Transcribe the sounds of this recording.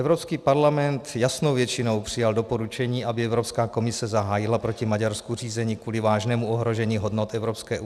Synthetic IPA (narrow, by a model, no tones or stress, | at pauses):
ɛvɾopskiːpaɾlamɛnt̪jasno̞wvjɛt͡ʃɪno̞wpr̥ɪjaldo̞po̞ɾut͡ʃɛɲiːʔabɪɛvɾo̞pskaːko̞mɪsɛzaɦaːjɪlapɾo̞cɪmaɟaɾskur̝iːzɛɲiːkvuːlɪvaːʒnɛːmuʔoɦɾo̞ʒɛɲiːɦodnot̪ɛvɾopskɛːʔu